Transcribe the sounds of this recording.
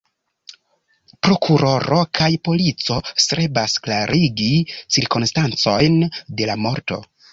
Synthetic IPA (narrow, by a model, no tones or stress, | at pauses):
pɾo̞kʰuɾo̞ɾo̞kʰajpo̞lit͡so̞sɾe̞basklaɾʔiɡit͡siɾkonstant͡so̞jnde̞lamo̞ɾto̞̰